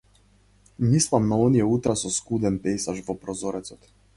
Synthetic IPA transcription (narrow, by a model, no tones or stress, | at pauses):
mislˠamnaɔnijɛut̪ɾasɔskud̪ɛnpɛjsaʒvɔpɾɔzɔɾɛt̪sɔt̪